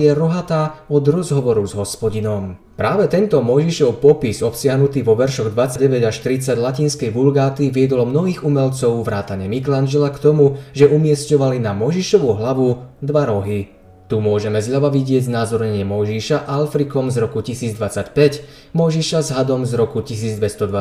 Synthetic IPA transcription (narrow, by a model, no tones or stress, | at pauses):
jɛɾɔɦat̪aːɔd̪ɾɔzɦɔʋɔɾuzɦɔspɔɟinɔm | pɾaːʋɛt̪ɛnt̪ɔmɔjʒiʃɔʊpɔpizɔpsɪaɦnut̪iːʋɔʋɛɾʃɔɣd̪ʋat͡saɟɛʋɛɟaʃt̪ɾit͡saɟlaciːnskɛjʋulɡaːt̪iʋɪɛd̪ɔlɔmnɔɦiːɣumɛʎt͡sɔʊʋɾaːt̪aɲɛmikland͡ʒɛlakt̪ɔmuʒɛʔumɪɛscɔʋalinamɔjʒiʃɔʋuɦlaʋud̪ʋaɾɔɦi | t̪umʊɔʒɛmɛzʎaʋaʋiɟɪɛɟznaːzɔɾɲɛɲɪɛmɔjʒiːʃaʔalfɾikɔmzɾɔkucisiːd͡zd̪ʋat͡sacpɛc | mɔjʒiʃazɦad̪ɔmzɾɔkucis̬iːd͡zd̪ʋɛst̪ɔd̪ʋa